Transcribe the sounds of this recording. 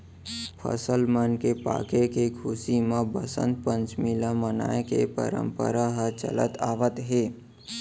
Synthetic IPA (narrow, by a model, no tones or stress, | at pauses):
pʰə̰səlmənkepa̰ːkekekʰusimẽbəsə̰̃nd̪̚pə̃nt͡ʃmɪlaməna̰ːekḛpə̰ɾə̰̃mpə̰ɾaɦət͡ʃə̰lə̰t̪aːʋət̪ɦeː